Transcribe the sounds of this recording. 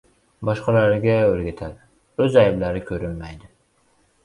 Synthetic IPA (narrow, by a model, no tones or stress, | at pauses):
bɒʃqʰɑlaɾɡʲaøɾɡʲat̪ʰal | ɵzajblaɾɪkʲʰɵɾɪnmajd̪ɪ